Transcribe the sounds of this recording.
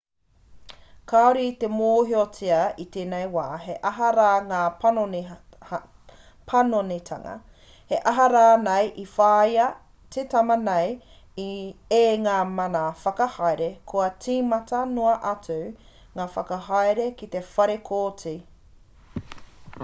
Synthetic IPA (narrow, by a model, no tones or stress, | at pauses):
kaoɾit̪emoːɦiot͡siɐit̪eːnejwaːɦeʔɐɦɐɾaːŋaːpɐnoe | pʰɐnonet̪ʰɐ̰ŋɐ̰ | heʔɐɦɐɾaːnejʔifaːjɐ | tʰetɐmɐnej | ieŋaːmɐnafɐkɐhajɾekʰoɐt͡siːmɐtɐnoɐʔɐt͡su | ŋaːfɐkɐɦajɾekit̪e̞fɐɾekʰoːt͡si